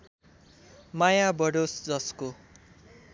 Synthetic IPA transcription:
majabʌɽosd͡zʌsko

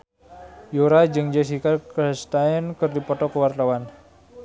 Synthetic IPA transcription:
juɾad͡ʒɨŋd͡ʒəs̬ikalkəst̪aɛnkɨrdipɔt̪ɔkəwart̪awan

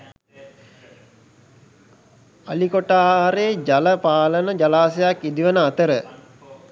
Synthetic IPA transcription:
alikoʈaːɾeːd͡ʒaləpaːlənəd͡ʒalaːsejakːid̪iʋənəat̪əɾə

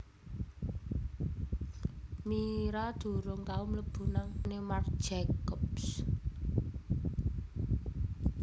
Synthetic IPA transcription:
miɾad̪̥ṳɾʊŋkaumləb̥ṳnaŋnemar̥d͡ʒ̥ɛkɔps

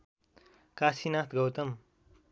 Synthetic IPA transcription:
kaːsinaːt̪ʰɡʌwt̪ʌm

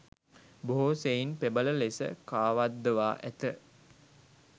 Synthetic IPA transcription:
boɦoːseinpebələlesə̰kaːʋad̪ːəʋaːʔæt̪ə

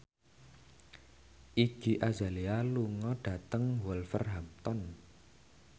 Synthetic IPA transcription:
ʔi̥d͡ʒ̥i̤ʔazalialuŋɔɖ̥a̤t̪əŋwɔlfə̰rɦamt̪ɔn

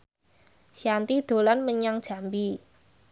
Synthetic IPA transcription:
ʃjant̪id̪̥o̤lanməɲaŋd̥ʒ̥a̤mbi

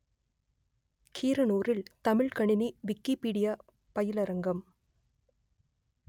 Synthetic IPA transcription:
kʰiːɾɐnoːɾɪlt̪ɐmɪɭkɐɳɪniʋɪkːipiːɽɪjaː | pɐjɪlɐɾɐŋɡɐm

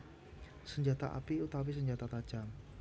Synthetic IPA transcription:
səɲd͡ʒat̪aʔa̰piut̪awis̬əɲd͡ʒat̪at̪ḁd͡ʒ̥am

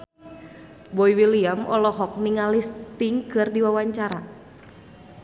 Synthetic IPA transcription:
boiwiliamɔ̰lɔɦɔk̚niŋalist̪iŋkɨrdiwawaɲt͡ʃaɾa

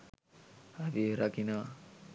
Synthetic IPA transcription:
abiɾakinʌ

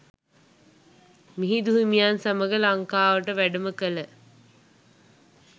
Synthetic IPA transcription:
miɦid̪uɦimijaːnsaməɡəlɐŋkaːʋəʈəʋæɖəməkələ

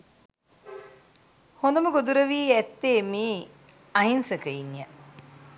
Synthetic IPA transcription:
hond̪əməɡod̪uɾəʋiːæt̪ːeːmiː | ɐɦinsəkəinjə

